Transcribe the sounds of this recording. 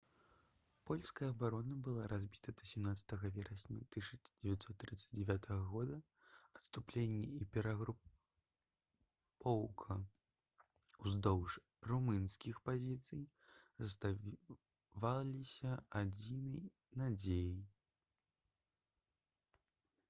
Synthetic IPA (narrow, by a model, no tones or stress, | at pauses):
pɔlʲskɐjɐɐbaɾɔnɐbɨlˠaɾazʲbʲit̪ɐd̪ɐsʲɛmnat̪sɐ̥t̪ɐɣɐvʲɛɾɐsʲnʲɐt̪ɨʂɐd͡zʲɛvʲat̪ʲsɔt̪ːɾɨt̪sɐ̥d͡zʲd͡zʲɛvʲat̪ʰɐɣɐɣɔd̪ɐ | ɐt̪st̪uplʲenʲːɛipʲɛɾɐɣɾu | pʰɔwkʰɐ | uzd̪ɔwʂ | rumɨnsʲkʲixpazʲit̪sɨj | zɐst̪a | valʲisʲɐad͡zʲinɐj | nad͡zʲeji